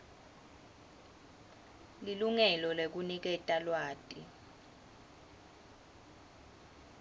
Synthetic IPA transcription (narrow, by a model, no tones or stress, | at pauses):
liluŋɛlɔlek̬unik̬ɛtʼalwaːtʼi